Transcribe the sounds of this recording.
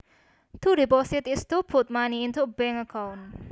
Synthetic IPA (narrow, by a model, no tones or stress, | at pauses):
t̪ʰudipɔsɪt̪ɪst̪upʰut̪̚maniɪnt̪ʰubɛ̃ŋəkʰãwn